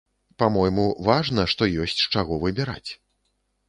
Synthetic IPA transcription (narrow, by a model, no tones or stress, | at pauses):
pamɔjmuvaʐnɐʂt̪ɔjɔsʲt͡sʲʂt͡ʂaɣɔvɨbʲɛɾa̰t͡sʲ